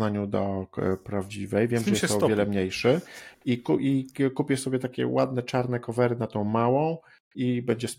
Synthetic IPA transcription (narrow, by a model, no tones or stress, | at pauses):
aɲud̪ɔpɾavd͡ʑivɛjvʲjɛmʐɛjɛsɔɔvjɛlɛmɲejʂɘikuʔikupʲjɛsɔbʲjɛt̪akʲɛ̰wad̪nɛt͡ʂaɾnɛkɔvɛɾɘnat̪ɔ̃w̃mawɔ̃w̃ | ibɛɲd͡ʑɛs